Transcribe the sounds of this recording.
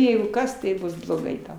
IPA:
ˈjɛɪɡʊ ˈkɐs tɐɪ ˈbʊs blˠoːˈɡɐɪ ˈtɐʊ

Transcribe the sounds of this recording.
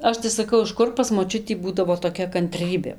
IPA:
ˈɐʃ tɐɪ sɐˈkɐʊ ɪʃ ˈkʊr pɐs moːˈt͡ʃʲʊtʲiː ˈbuːdɐʋoː toːˈkʲɛ kɐnʲˈtʲrʲiːbʲeː

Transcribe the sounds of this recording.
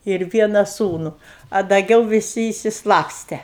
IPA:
ɪr ˈʋʲiɛnɐ ˈsuːnʊ ɐ dɐˈɡʲɛʊ ʋʲɪˈsʲɪ ɪʃʲsʲɪˈslˠɑːpʲsʲtʲɛ

